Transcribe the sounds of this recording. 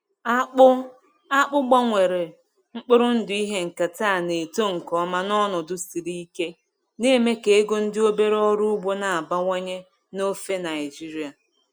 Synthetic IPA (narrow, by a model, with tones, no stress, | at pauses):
a˦k͡pʊ˦ | a˦k͡pʊ˦ɡ͡ba˦ŋʷe˨ɾe˨ | ŋ͡m̩˦k͡pɪ˦ɾʊ˦n̩˦dʊ˨i˦ɦe˦ŋ̩˨ka˨taː˦˨ne˨to˦ŋ̩˨kɔ˨˦ma˦nɔ˦nʊ˨dʊ˨si˨ɾi˦i˦ke˦ | ne˦me˦ke˨e˦ɡo˦n̩˦dɪ˦o˦be˦ɾɔ˦ɾu˦ʊ˦ɡ͡bo˦na˨a˨ba˦ŋʷe˦ɲe˦ | no˦fe˦na˨ɪ˨d͡ʒi˦ɾi˨˦a˨